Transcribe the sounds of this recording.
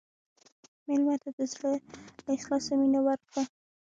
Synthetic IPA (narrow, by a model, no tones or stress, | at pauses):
mɪlmat̪ad̪əzləlaɪslɑsaminawaɾkɽa